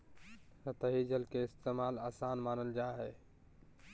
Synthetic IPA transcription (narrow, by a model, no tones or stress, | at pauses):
sət̪əɦid͡ʒəlkeɪst̪eːmaːlaːsaːnmaːnəld͡ʒaːɦeː